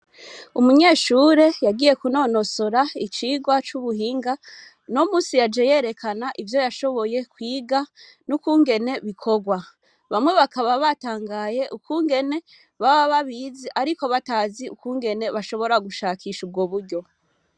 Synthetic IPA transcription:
umuɲe̞ːʃuːɾe̞jaɡiːje̞kuno̞no̞soɾait͡ʃiːɡwat͡ʃuβuɦiːŋɡa | nomuːsijad͡ʒe̞je̞ːɾe̞kʰanaʔivjo̞jaʃo̞βo̞je̞kwiːɡa | nukuːŋɡe̞ne̞βikʰo̞ɡwa | βamŋwe̞βakaβaβataːŋɡaːje̞ʔukuːŋɡe̞ne̞ | βaβaβaβiːziʔaɾiko̞βataːziukuːŋɡe̞ne̞βaʃo̞βo̞ɾaɡuʃaːkʰiːʃub̚ɡo̞βuɾɟo̞

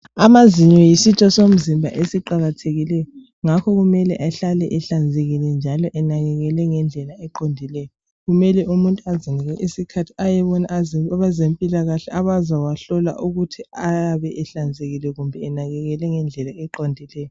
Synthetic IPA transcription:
amaziɲɔjisitʰɔsom̩zimbʱa̰ʔesiǃaɣatʰeɣilɛjɔ | ŋakʰɔɣumɛlɛ̰ʔaɬalɛʔɛɬand͡zʱeɣilɛnd͡ʒʱalɔʔɛnaɣɛɣɛlɛŋɛnd͡ɮʱɛlaɛǃondʱilɛjɔ | ɣumɛlɛumuntʼuaziniɣɛʔisikʰatʰi̥ajɛβɔnaβazempʼilaɣaɬɛʔaβazawaɬɔla̰ʔuɣutʰiajaβɛʔɛɬand͡zʱeɣilɛɣumbʱɛɛnaɣɛɣɛlɛŋɛnd͡ɮʱɛlaɛǃondʱilɛjɔ

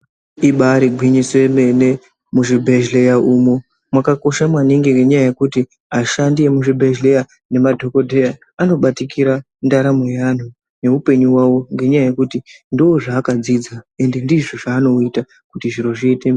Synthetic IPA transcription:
iɓaɾiɡʱwiɲiswemene | muʐibʱe̞ʒle̞jaʔumo | mwakako̞ʃamwaniŋɡiŋɡe̞ɲajaje̞kuti | aʃandie̞muʐibʱeʒle̞ja | ne̞madʱo̞ko̞dʱeja | ano̞ɓatikʰiɾa | ndaɾamojan̤u | ne̞upe̞ɲuwawo̞ŋɡe̞ɲajaje̞kutindowoʐaːkad͡zid͡zae̞nde̞ndiʐoʐaːno̞ita | kutiʐiɾo̞ʐitem

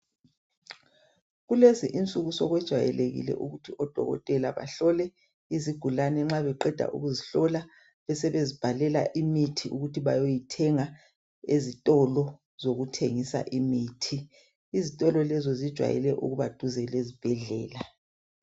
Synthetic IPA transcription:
ɣuleziʔint͡sʼuɣusɔɣwɛd̥ʒ̥ʱwa̰jɛ̰leɣḭlɛ̰ʔuɣutʰiʔɔd̥ʱɔ̰ɣɔ̰tʼɛlaβa̰ɬɔlɛ | iziɡ̥ʱulanɛŋ͡ǁaβɛǃɛd̥ʱa̰ʔṵɣuziɬɔla | βɛsɛβezib̥ʱalɛla̰ʔimitʰiʔuɣutʰiβajojitʰɛŋa | ezitʼɔlɔ | z̥oɣutʰeŋisa̰ʔimiːtʰi | izitʼɔlɔlɛzɔzid̥ʒ̥ʱwa̰jɛ̰lɛʔṵɣuβad̥ʱuzɛlezib̥ʱɛɮɛ̰ːla

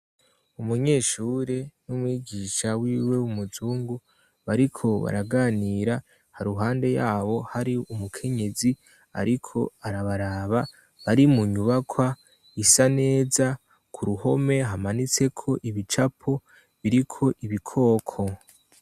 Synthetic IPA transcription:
umuɲe̞ːʃuːɾe̞numwiːɡiʃawiːwe̞wumuzuːŋɡu | βaɾikʰo̞βa̰ɾaɡaːniːɾa | haɾuɦaːnde̞jaːβo̞haɾiumukʰe̞ɲe̞zi | a̰ɾikʰo̞̰aɾaβaɾaβa | βaɾimuɲuβakʰwa | isane̞ːza | kʰuɾuho̞me̞ɦamanit͡se̞kʰo̞ʔiβit͡ʃapʰo̞ | βiɾikʰo̞ʔiβikʰo̞ːkʰo̞

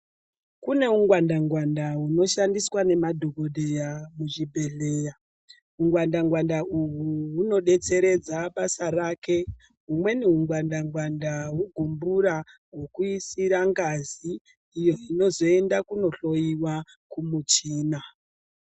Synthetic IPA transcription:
kune̞uŋɡwandaŋɡwandaɦuno̞ʃandiswane̞madʱokodʱe̞jamuʐibʱe̞ɮeːja | ɦuŋɡwandaŋɡwandaʔuɦuɦuno̞ɗe̞t͡se̞ɾe̞d͡zaɓasaraːke̞ | ɦumwe̞niuŋɡwandaŋɡwandaɦuɡʱumbuɾa | ɦokuisiɾaŋɡaziː | jo̞ino̞zo̞e̞ndakuno̞ɬo̞jiwa | kumut͡ʃiːna

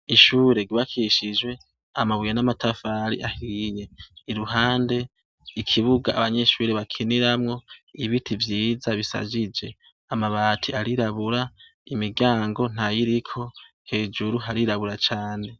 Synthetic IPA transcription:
iʃuːɾe̞ɡuβakʰiʃid͡ʒwe̞ | amaβujanamatʰafaɾḭʔahijeːɾuɦaːnde̞ | ikʰiβuɡaːβaɲe̞ʃuːɾeβakʰiniɾamŋo̞iβitivjiːzaβisa̰d͡ʒid͡ʒe̞ | amaβaːtʰiaɾiɾaβuɾa | imiɡaːŋɡo̞n̥ajiɾikʰo̞ | he̞d͡ʒuɾuɦaɾiɾaβuɾat͡ʃaːne̞

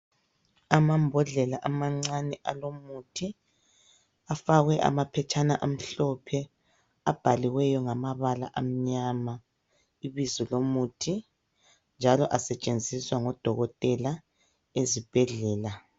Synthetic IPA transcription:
amambʱɔɮɛlaʔamaŋ͡ǀanɛʔalomutʰi | afaɣɛʔa̰mapʰɛt͡ʃʰʼana̰ʔom̩ɬɔpʰɛ | ab̥ʱaliwɛjɔŋamaβala̰ʔam̩ɲama | iβizɔlomutʰi | nd͡ʒʱalɔʔasɛt͡ʃʼend͡zʱiswaŋɔd̥ʱɔɣɔtʼɛla | ezib̥ʱɛɮɛːla

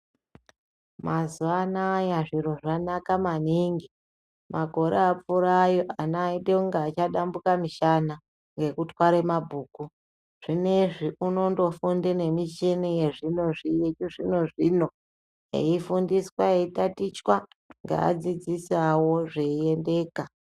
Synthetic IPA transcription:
mʔazuʋanajaʐiɾo̞ʐanakamaniːŋɡi | mʔaɡʱo̞ɾeap͡fuɾajo̞ʔanaideuŋɡaːt͡ʃaɗambukamiʃana | ŋɡe̞kutwaɾemabʱuːku | ʐ̥ine̞ʐiʔuno̞ndo̞fundene̞mit͡ʃenije̞ʐino̞ʐijet͡ʃuʐino̞ʐino̞ | ḛifundiswaeitatit͡ʃwa | ŋɡa̰a̰d͡zid͡zisawo̞ʐeie̞nde̞ːka

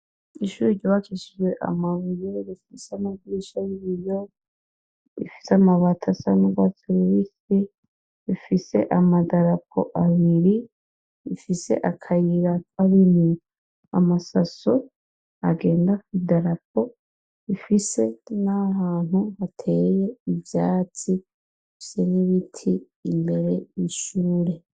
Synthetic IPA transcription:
iʃuɾiɾɟoβat͡ʃiʃiʒwe̞ʔa̰maβujeɾifiseamaɡiʃajiβijo̞ | ḭfi̥seamaβatʰasanuɡɡwat͡siɾuɾike | ifise̞̰ʔamadaɾap̚ʰo̰ʔaβiɾi | ifise̞̰ʔakʰajiɾakwaɾini | a̰masaso | aɡe̞ːndakwidaɾap̚o̞ | ifise̞nahaːn̥huβatʰe̞ːɾeje̞ivjaːt͡si | ifi̥se̞niβitʰiː | mbe̞ɾe̞iʃuːɾe̞

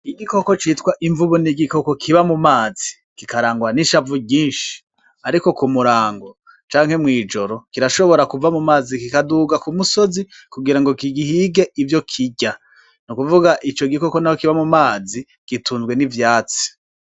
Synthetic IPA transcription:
iɡiko̞ko̞t͡ʃitkwaʔiɱvuβuniɡiko̞ko̞kʰiβamumaːzi | kikaɾaːŋɡwaniʃavuɡiːnʃi̥ | aɾiko̞kumuɾaːŋɡo̞ | t͡ʃaːŋ̥he̞mŋiːd͡ʒo̞ɾo̞kiɾaʃoβo̞ɾakuvamumaːzikikaduːɡakumuso̞zi | kuɡiɾaŋɡo̞kiɡihiːɡe̞ivjo̞kʰiɟa | nukuvuɡaʔit͡ʃo̞ɡiko̞konahokiβamumaːzi | ɡ̥ituːnzɡwe̞nivjaːt͡si̥

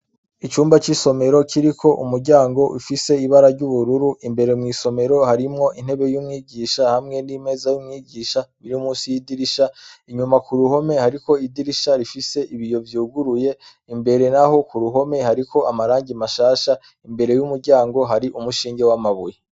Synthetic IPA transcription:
it͡ʃuːmbat͡ʃiso̞me̞ɾo̞kʰiɾikʰo̞ʔumuɾɟaːŋɡo̞ʔufise̞iβaɾaɾɟuβuɾuɾuʔimbe̞ɾe̞mŋiːso̞me̞ɾo̞haɾimŋo̞ʔin̥he̞βe̞jumŋiːɟiʃahamŋe̞nime̞zajumŋiːɟiːʃaβiɾiumuːsijidiɾiʃaiɲumakuɾuho̞me̞haɾiko̞idiɾiʃaɾifise̞ʔiβijo̞vjuːɡuɾuje̞ | imbe̞ɾe̞naɦo̞kuɾuɦo̞me̞haɾiko̞ʔamaɾaːɲɟimaʃaːʃa | imbe̞ɾe̞jumuɾɟaːŋɡo̞ɦaɾiʔumuʃiːŋɡe̞wamaβuje

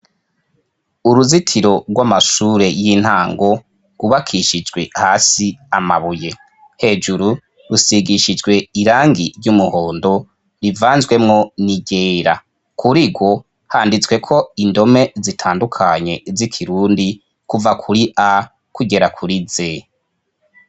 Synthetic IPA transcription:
uɾuzitʰiɾo̞ɡwamaʃuːɾe̞jin̥haːŋɡo̞ | ɡuβakʰiʃid͡ʒɡwe̞haːsiama̰βuje̞ | he̞ːd͡ʒuɾu | ɾusiɡiʃid͡ʒɡwe̞iɾaːŋɡiɾjumuho̞ːndo̞ | ɾivaːnzɡwe̞mŋo̞niɡeːɾa | kʰuɾiɡwo̞ | haːndit͡swe̞kʰo̞indo̞me̞zitʰaːndukʰaɲe̞zikʰiɾuːndi | kuvakʰuɾiʔa | kuɡe̞ɾakʰuɾize̞

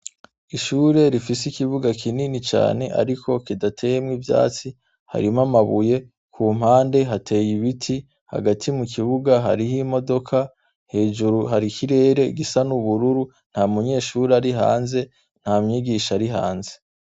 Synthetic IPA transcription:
iʃuːɾe̞ɾifisikiβuɡakʰininit͡ʃa̰ːne̞ʔa̰ɾikʰo̞kidatʰe̞jemŋivja̰ːt͡si | ha̰ɾimamaβuje̞ | kʰuːm̥haːnde̞ɦatʰe̞ːjiβitʰi | ha̰ɡatʰimukiβuɡaɦa̰ɾihimo̞do̞kʰa | he̞ːʒuɾuɦaɾikʰiɾe̞ːɾe̞ɡisanuβuɾuɾu | n̥hamuɲe̞ːʃuːɾeaɾiɦa̰ːnze̞ | n̥haːmɲiɡiʃaɾiɦa̰ːnze̞̥

